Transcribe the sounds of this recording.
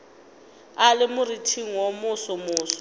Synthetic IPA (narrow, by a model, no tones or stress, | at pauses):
alɪmʊritʰiŋ̩womʊsɔmʊːsɔ̥